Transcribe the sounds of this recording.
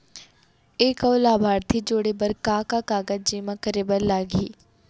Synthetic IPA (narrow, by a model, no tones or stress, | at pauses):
eːkɔːlaːbʱaːɾt̪ʰid͡ʒoːɽebəɾkãːkakaːɡəd͡ʒiːmãkəɾebəɾlaːɡḭː